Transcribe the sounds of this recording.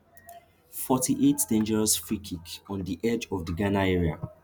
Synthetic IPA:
fɔtiʔetd̥ẽnd͡ʒɛɹɔsfɹikʰikɔ̃ndiʔɛd͡ʒɔvdiɡanaɛɹia

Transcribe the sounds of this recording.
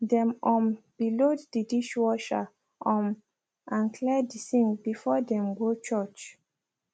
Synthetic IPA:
dɛ̃mɔ̃mb̥iloddidiʃwɔʃa | ʔɔ̃m | ʔãnkʰlɛdisĩŋbifɔdɛ̃mɡot͡ʃɔt͡ʃ

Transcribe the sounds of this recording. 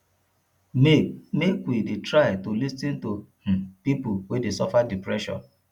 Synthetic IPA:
mekwidetɹaɪtolisĩnto | pipʊwedesɔfadipɹɛʃɔ̰̃n

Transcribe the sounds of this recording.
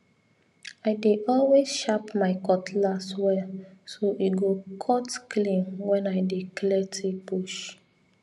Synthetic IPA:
aɪdeʔɔlwezʃapmaɪkɔtʰlaswɛsoʔiɡokʰɔtklĩmwɛ̃naɪdeklɛtipuʃ

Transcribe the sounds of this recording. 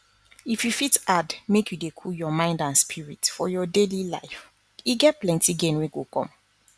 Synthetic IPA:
ifjufitadmekʰjudekʰujɔmãɪ̃ndãnspʰiɹitfɔjɔdelila̰ɪf | iɡɛt̚plɛ̃ntiɡẽnwẽɡokɔ̰̃m

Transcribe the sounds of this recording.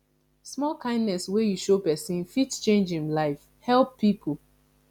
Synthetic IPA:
smɔlkãɪ̃ndnɛswejuʃopɛsĩnfitt͡ʃẽnd͡ʒĩmlaɪf | hɛlˠpːipʰu

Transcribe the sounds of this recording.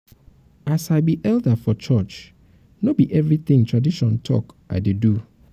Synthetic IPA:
asaɪbiʔɛldəfɔt͡ʃɔt͡ʃ | nobiʔɛvɹiθɪ̃ŋtʰɹadiʃɔ̃ntʰɔ̰kʔa̰ɪdedu

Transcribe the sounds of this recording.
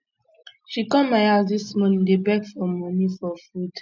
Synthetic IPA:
ʃikɔmaazdismɔ̃nĩdebɛkfɔmɔnifɔfud

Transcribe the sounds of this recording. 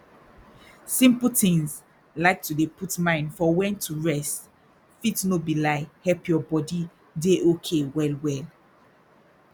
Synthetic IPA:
sĩmpl̩tĩŋs | laɪk̚tudeputmãɪ̃ndfɔwɛ̃ntʰuɹɛst | fitnobilaɪhɛlpjɔbɔdi | deʔokʰewɛlwɛl

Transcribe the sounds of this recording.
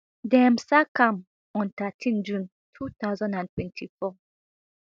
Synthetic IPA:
dɛ̃msakãm | ɔ̃ntatʰĩnd͡ʒũn | tʰut̪aʊzɔ̃ndãntʰwɛ̃ntʰifɔ

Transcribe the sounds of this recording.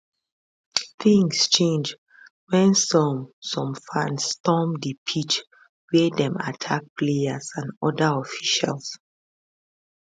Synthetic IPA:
θĩŋst͡ʃẽnd͡ʒ | wɛ̃nsɔ̃msɔ̃mfãnsːtɔmdipʰit͡ʃ | wɛdɛ̃ma̰tʰak̚pʰleasãndɔdəɔfiʃa̰ls

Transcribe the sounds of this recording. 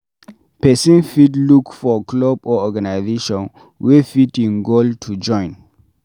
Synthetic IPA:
pɛsĩnfitlukfɔklɔbɔɔɡanajzeʃɔ̃n | wefitĩnɡoltʰud͡ʒɔ̃ɪ̃n

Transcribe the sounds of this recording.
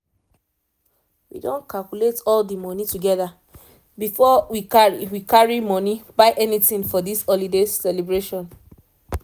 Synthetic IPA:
wḭdõ̰nkʰalkuletɔldimɔnituɡɛða | bifɔwikaɹiwikaɹimɔnibaɪʔɛnitĩnfɔdisɔlidessɛlebɹeʃɔ̃n

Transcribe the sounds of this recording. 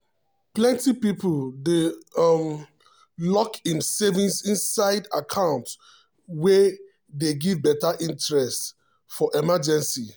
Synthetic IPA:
plɛ̃ntipipldem | lɔkĩmsɛvĩnsĩnsaɪdakʰãʊ̃nt | wɛ | deɡivbɛtaʔĩntɹɛst | fɔʔɛmad͡ʒɛ̃nsi

